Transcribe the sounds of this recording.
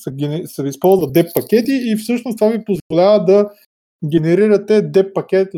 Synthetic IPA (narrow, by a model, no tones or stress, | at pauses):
sɐɡɛnsɐispɔlˠzvɐd̪ɛpːɐkʲɛt̪iːfsɤʃnost̪vavipozvolʲavəd̪ɐ | ɡʲɛnɛɾiɾɐt̪ɛd̪ɛpːɐkʲɛt̪